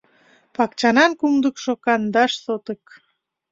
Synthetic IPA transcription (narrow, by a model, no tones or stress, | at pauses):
pɑkt͡ɕɑnɑnkumd̪əkʃokɑnd̪ɑʃsot̪ək